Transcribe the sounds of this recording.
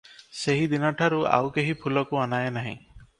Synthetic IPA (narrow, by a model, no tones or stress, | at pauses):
seɦid̪inɔʈʰaɾua̰wkeɦipʰulɔkuanaenaɦḭ̃